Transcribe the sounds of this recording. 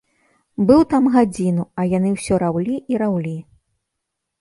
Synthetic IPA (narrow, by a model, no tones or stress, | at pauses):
bɨwt̪amɣad͡zʲinuɐjanɨwsʲɔɾawlʲiʔiɾawlʲi